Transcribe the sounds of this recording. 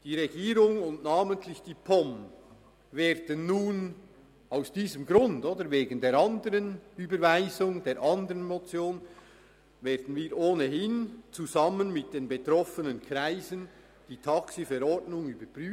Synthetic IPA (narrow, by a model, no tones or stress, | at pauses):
d̥iːʁeɡiːɾʊŋʊndnaːməntʰlɪçd̥iːpʰɔm | veːɾd̥ənːuːn | aʊsd̥iːzəmɡɾʊndoːdəɾveːɡən̩deːɾɑndəɾənyːbəɾvaɪzʊŋdeːɾʔɑndəʁənmot͡sjoːn | veːɐdən̩viːʔoːnəɦɪnt͡suzɑmənmɪt̚d̥eːnbetɾɔfənənkʰʁaɪzən | d̥iːtʰɑksifɛɾɔɹdnʊŋyːbəpʁyː